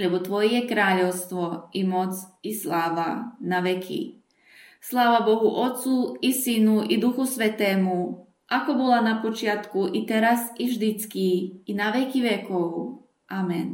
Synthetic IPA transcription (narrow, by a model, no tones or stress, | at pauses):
lɛbot̪ʋojejekɾaːʎowst̪ʋoimo̞t̪sislˠaːʋanaʋekʰḭ | slˠaːʋabo̞ɦuʔo̞t̪suisinuʔid̪uxusʋet̪eːmu | ʔakobolˠanapot͡ʃjat̪kuʔit̪eɾasiʒd̪it̪skiːnaʋekiʋekoʋu | amen